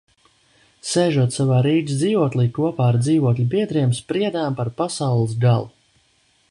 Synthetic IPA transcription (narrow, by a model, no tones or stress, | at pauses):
seːʒuɔt̪savaːɾiːd͡ʒ̪ʲd̪ziːvuɔt̪lˠiːkuɔpaːaɾd̪ziːvuɔk̪lʲibiɛd̪ɾiɛmspɾiɛd̪aːmpaɾpasawlˠɨsɡalˠu